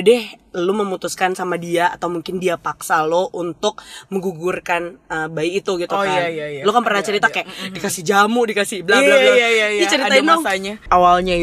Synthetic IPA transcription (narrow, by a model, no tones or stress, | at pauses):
dɛhluməmut̪uskansamadiaːt̪awmuŋkɪndiapaksaloʔunt̪ʊk̚məŋɡuɡurkanəbaiːt̪uɡit̪uajajlokanpərnat͡ʃəɾit̪akajaʔdikasɪhd͡ʒamʊdikasɪblalajajajat͡ʃəɾid̪ainaɲaawalɲai